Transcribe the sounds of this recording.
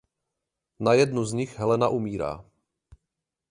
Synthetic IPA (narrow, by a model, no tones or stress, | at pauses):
najɛdnuzɲɪxɦɛlɛnaʔumiːɾa̰ː